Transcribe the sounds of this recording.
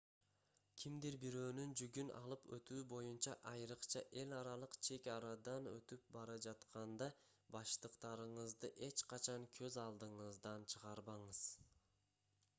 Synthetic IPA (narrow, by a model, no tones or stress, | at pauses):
kʲʰimd̪iɾbiɾø̞ːnynd͡ʒyɡynɑ̰lˠɯpʰø̰t̪yːbo̞junt͡ʃɑʔɑjɾɯqt͡ʃʰɑʔe̞lʲɑɾɑlˠɯqt͡ʃʰe̞kɑɾɑd̪ɑnø̞̰t̪yp̚bɑɾɑd͡ʒɑt̪qɑnd̪ɑ | bɑʃt̪ɯqt̪ɑɾɯɴɯzd̪ɯʔe̞t͡ʃqɑt͡ʃʰɑŋkʰøzɑlˠd̪ɯɴɯzd̪ɑnt͡ʃʰɯʁɑɾbɑɴɯz̥